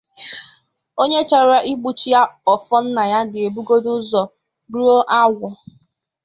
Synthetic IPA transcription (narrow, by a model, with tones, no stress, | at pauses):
o˦ɲe˦t͡ʃa˨ɾa˦ʔi˦ɡ͡bu˨t͡ʃi˦ja˦ɔ˨fɔ˦n̩˦na˨ja˦ɡe˨bu˦ɡo˦dʊ˦zɔ˨ | ɾu˦o˦ʔa˦wʷʊ˨